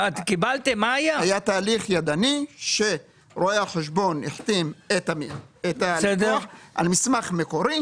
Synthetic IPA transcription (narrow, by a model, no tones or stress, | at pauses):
atkibalt̪emaajahajat̪aːliχjad̪aniʃe | ɾoeaħeʃ̬bo̞niħt̪imet̪amiet̪alsd̪ħʔa̰lmismaχme̞ko̞ɾi